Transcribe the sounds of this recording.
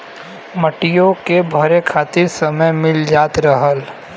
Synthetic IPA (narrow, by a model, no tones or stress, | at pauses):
məʈijõkebʱɐɾekʰaːt̪ɪɾsɐməjmɪld͡ʒaːt̪ɾɐɦəl